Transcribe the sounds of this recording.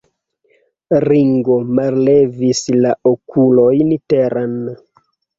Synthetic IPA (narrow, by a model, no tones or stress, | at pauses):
ɾiŋɡo̞mallevislaʔokulo̞jniteɾan